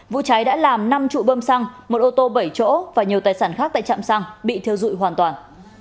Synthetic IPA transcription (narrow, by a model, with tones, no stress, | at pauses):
vṵ˧˨t͡ɕa˨˦jɗa̰ː˧˥laː˨˩mna˧mt͡ɕṵ˧˨ɓəː˧msa˧ŋmo˨˩t̚ʔo˧t̪o˧ɓə˧˩jt͡ɕo̰˧˥vaː˨˩ɲi˨˩t̪aː˨˩jsaː˧˩nxaː˦˥k̚t̪aː˧˨t͡ɕa̰ː˧˨msa˧ŋɓḭ˧˨t̪ʰi˧əwzṵ˧˨jɦwaː˨˩nt̪waː˨˩n